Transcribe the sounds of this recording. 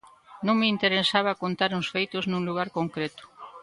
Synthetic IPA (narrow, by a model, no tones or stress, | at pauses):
nõŋmeint̪eɾesaβ̞akont̪aɾuŋsfejt̪ʊznũŋluɣ̞aɾkoŋkɾet̪ʊ̥